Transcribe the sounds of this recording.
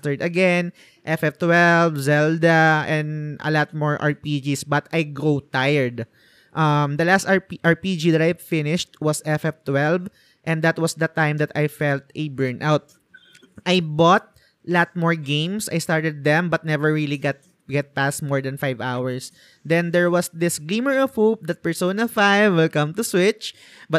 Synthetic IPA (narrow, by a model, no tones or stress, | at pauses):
t̪əɹd̪ɐɡɛn | ʔɛfɛft̪wɛlvzɛld̪ɐɛ̃nd̪ɐ̰lat̪̚mɔɹʔa̰ɹpid͡ʒisbɐt̪ajɡɾot̪ajɛɹd̪ | ʔɐmd̪ɐlast̪aɹpiʔaɹpid͡ʒid̪ɐt̪ajfɪnɪʃt̪̚wʌsɛfɛft̪wɛlv | ʔɛ̃nd̪ɐt̪̚wʌsd̪ɐt̪ãjmd̪ɐt̪ajfɛlt̪ʔɛbɛɹnʔawt̪̚ | ʔajbɔt̪̚ | lat̪̚mɔɹɡẽɪ̃msʔa̰jst̪aɹt̪ɛd̪̚ːɛ̃mbɐt̪̚nɛvɛɹɹiliɡat̪̚ | ɡɛt̪̚past̪̚mɔɹd̪ɐ̃nfajvawəɹs | d̪ɛ̃nd̪ɛɹwʌsd̪ɪsɡlĩməɹɔvhop̚d̪ɐt̪̚pɛ˞sõnɐlfajvwɪlkʌ̃mt̪ʊswɪt͡ʃ | bɐt̪̚